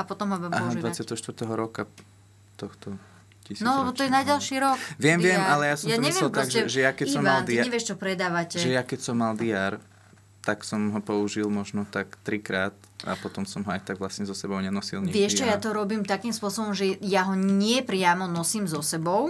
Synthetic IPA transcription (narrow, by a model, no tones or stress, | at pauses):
apɔt̪ɔmɦɔbaaɦad̪ʋat͡sɪat̪ɛɦɔʃt̪ʋɾt̪ɛɦɔɾɔka | t̪ɔxt̪ɔ | cisinɔlɛbɔt̪ɔjɛnaɟalˠʃiːɾɔkʋɪɛmʋɪɛmalɛjasɔmjamɲɛʋɪɛɛlptɾɔaɡʒɛʒɛjakɛisɔmald̪iaɲɛʋɪɛʃt͡ʃɔpɾɛd̪aːʋacɛʒɛjakɛcsɔmːald̪iaːɾ | t̪aksɔmɦɔpɔuʒilmɔʒnɔt̪akt̪ɾikɾaːt̪ | a̰pɔt̪ɔmsɔmɦɔajt̪aɡʋlasɲɛzɔsɛbɔʊɲɛnɔsilɲʋɪɛʃt͡ʃɛjat̪ɔɾɔbiːmt̪akiːmspʊɔsɔbɔmʒɛjaɦɔɲɪɛpɾɪamɔnɔsiːmzɔsɛbɔʊ